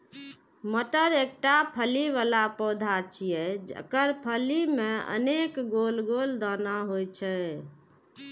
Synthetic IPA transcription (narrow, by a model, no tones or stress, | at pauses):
məʈəɾek̚ʈapʰəliʋalapəd̪ʱat͡ʃʰijɛd͡ʒə̰kəɾpʰəlimeə̰nekɡolɡold̪anaɦojt͡ʃʰɛ